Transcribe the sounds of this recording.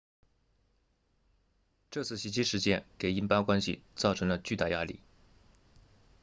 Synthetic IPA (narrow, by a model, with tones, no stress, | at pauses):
ʈ͡ʂɤ˥˧t͡sʰɹ̩˥˩ɕi˧˥t͡ɕi˥ʂɻ̩˧˥t͡ɕjɛ˥˩nke˨˩ɪi˥npa˥kwa˥nɕḭ˨˩t͡sɑ˥˩ʊʈ͡ʂʰɤ˧˥ŋlə˧t͡ɕy˥˧t̪a̰˥˩ja˥lḭ˥˩